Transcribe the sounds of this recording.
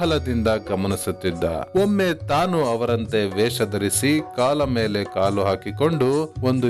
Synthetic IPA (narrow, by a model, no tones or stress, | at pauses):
ɐlɐd̪ind̪ɐɡɐmɐnisut̪ːid̪ːɐ̰omːe̞t̪aːnuɐʋɐɾɐnt̪e̞ʋɛːʂɐd̪ɐɾisikaːlɐmeːle̞kaːluɦaːkiko̞ɳɖuond̪u